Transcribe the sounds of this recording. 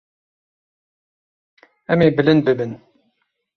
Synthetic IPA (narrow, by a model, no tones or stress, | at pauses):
ɛmeːbɨlɨnd̪̚bɨbɨn